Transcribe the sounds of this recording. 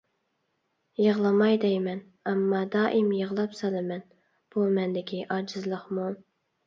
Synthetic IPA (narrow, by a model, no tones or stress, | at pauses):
jəʁlˠɑmɑjd̪ɛjmɛn | ɑmːɑd̪ɑːʔimjəʁlˠɑpsɑlˠɨmɛn | b̥umɛnd̪ɪkʲʰiʔɑd͡ʒɨzlˠəχmu